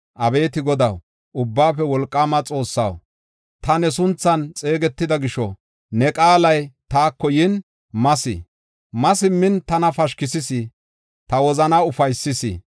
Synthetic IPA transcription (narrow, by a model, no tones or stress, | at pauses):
ʔɐbe̞ːt̪ɪɡɔd̪ɐw | ʊbːaːfɛwɔlkʼːaːmɐt͡sʼo̞ːsːɐ̰w | t̪ɐnɛsʊnt͡sːɐnt͡sʼe̞ːɡɛt̪ːɪd̪ɐɡɪʃɔ | nɛkʼaːlɐjt̪aːkːɔjɪn | mɐsɪ̰ | mɐsɪmːɪnt̪ɐnɐfɐʃkɪsɪsɪ | t̪ɐwɔzɐnaʊfɐjsːɪsɪ̰